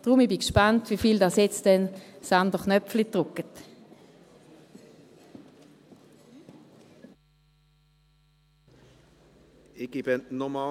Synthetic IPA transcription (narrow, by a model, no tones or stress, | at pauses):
d̥ʁʊmibikʃpɑntvifiːldɑsjɛt͡std̥ɛnsɑndəχnœpflitʁʊkːət | ɪɡibɛnnɔmɑ